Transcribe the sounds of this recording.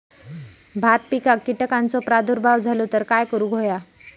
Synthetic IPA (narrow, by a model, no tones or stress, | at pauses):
bʱat̪̚pikakːiʈəkãnt͡sɔpɾad̪ʱuɾbʱaʋd͡zʱalot̪əɾkajkəɾũɡʱoja